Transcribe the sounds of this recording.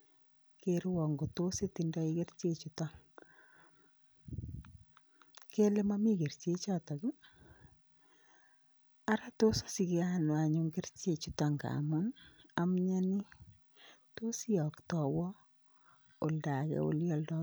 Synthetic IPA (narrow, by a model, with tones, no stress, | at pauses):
keɾwɔ˨ŋɡo˨to˦se˦tinda˦i˦ke˦rt͡ʃe˦t͡ʃuta˦ŋ | ke˦le˦ma˦mi˦ke˨rt͡ʃe˦t͡ʃatɔ˨kɪ˦ | a˦ɾa˦to˦sḁ˦si˨ke˦anwa˨ɲu˦ŋɡe˦rt͡ʃe˨t͡ʃu˦ta˨ŋɡa̰˨ma˦namɲa˦ni˦ | to˦si˦ɔ˨ktɔ˨wɔ˦ | o˨lda˨kɛ̰o̰˦ljɔ˦ldɔ˦